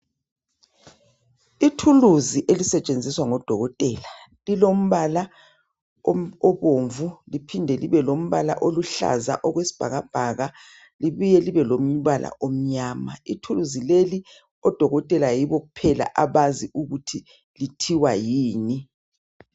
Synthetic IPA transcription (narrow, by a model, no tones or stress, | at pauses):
itʰuluziʔelisɛt͡ʃʼend͡zʱiswaŋɔd̥ʱɔɣɔtʼɛla | lilom̩βala | ɔβoɱvulipʰindʱɛliβɛlom̩βa̰la̰ʔoluɬa̰za̰ʔɔɣwesi̥b̥ʱaɣab̥ʱaɣa | liβujɛliβɛlom̩βalʔa̰ʔom̩ɲaːmaitʰuluzileli | ɔd̥ʱɔɣɔtʼɛlajiβɔɣupʰɛla̰ʔaβaziʔuɣutʰi | litʰiwajiːni